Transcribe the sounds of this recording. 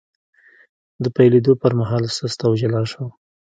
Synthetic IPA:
d̪əpajled̪opəɾmaɦɑlsəst̪awʒalɑʃaw

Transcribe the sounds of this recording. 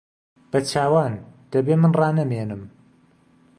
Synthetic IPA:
b̥ɐt͡ʃʰaːwaːnd̪̥ɐbeːmɨnrɑːnɐmeːnɨm

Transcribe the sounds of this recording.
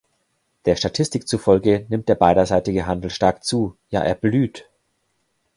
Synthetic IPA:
d̥eːɐʃtatʰɪstɪk̚t͡sufɔlɡənɪmt̚d̥eːɐbaɪɾɐzaɪtɪɡəɦandl̩ʃtaɐkt͡suːja̰ːʔḛːɐblyːt

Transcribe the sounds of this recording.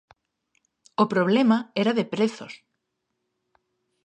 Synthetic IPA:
opɾoβlɛmaɛɾaðepɾeθoɾ̥

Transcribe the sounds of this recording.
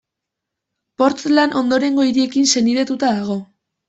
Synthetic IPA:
po̞ɾt͡selanʔo̞nd̪o̞ɾe̞ŋɡo̞iɾie̞kinse̞niɾet̪ut̪aðaɣ̞o̞

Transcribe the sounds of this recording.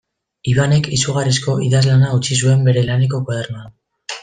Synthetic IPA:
iβane̞kisuɣ̞arisko̞ʔiðazlanaut͡ʃis̬ue̞mbe̞ɾe̞lane̞k̬o̞kwað̞eɾmoan

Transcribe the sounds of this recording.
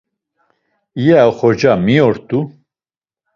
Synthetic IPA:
ijɛχɔd͡ʒamiɔɾt̪u

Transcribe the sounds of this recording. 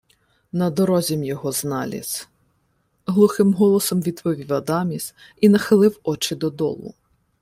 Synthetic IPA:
nɐd̪ɔɾɔzʲɛmjɔɦɔznɑlʲḭs | ɦlˠʊxɪmɦɔlˠɔsɔmʋʲid̪pɔʋʲiwɐd̪ɑmʲis | inɐxɪlˠɪwɔt͡ʃɪd̪ɔd̪ɔ̰lˠʊ̰

